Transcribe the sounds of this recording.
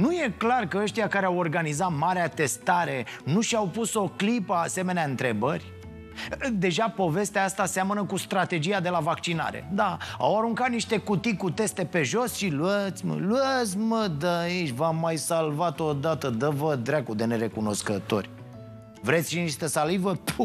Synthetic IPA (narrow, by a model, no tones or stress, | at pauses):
nuje̞klarkəəʃt̪ijakaɾeawo̞rɡanizat̪maɾeat̪e̞st̪aɾe̞nuʃiawpuso̞klipəase̞me̞neaɨnt̪ɾe̞bərʲ | d̪e̞ʒapo̞ve̞st̪eaast̪aseamənəkust̪ɾat̪e̞d͡ʒijad̪e̞lavak̚t͡ʃina̰ɾḛd̪aa̰waɾuŋkat̪̚niʃt̪e̞kut̪ikut̪e̞st̪e̞pe̞ʒo̞sʃiluət̪sʲmə̰luət̪sʲməd̪əit͡ʃʲvamːajsalvat̪od̪at̪əd̪əvəd̪ɾakud̪e̞ne̞ɾe̞kuno̞skət̪o̞̰rʲ | vɾet̪sʲʃiniʃt̪əsalivəp